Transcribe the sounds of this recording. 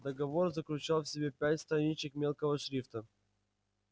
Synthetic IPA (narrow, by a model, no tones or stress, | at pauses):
d̪əɡɐvo̞rzəklʲʉt͡ɕalˠfsʲɪbʲepʲætʲst̪ɾɐnʲit͡ɕɪkmʲe̞lˠkəvəʂɾʲift̪ə